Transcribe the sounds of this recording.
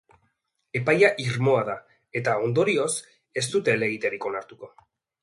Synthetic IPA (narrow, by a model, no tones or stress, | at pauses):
e̞pajaʔiɾmo̞aða | e̞t̪ao̞nd̪o̞ɾio̞s | e̞st̪ut̪e̞le̞ɣit̪e̞ɾiko̞naɾt̪uko̞